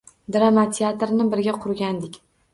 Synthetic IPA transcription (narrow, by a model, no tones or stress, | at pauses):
d̪ɾamat̪ʰɪat̪ɾnɪbɪɾɡʲaqʰʊɾɡʲand̪ɪkʲ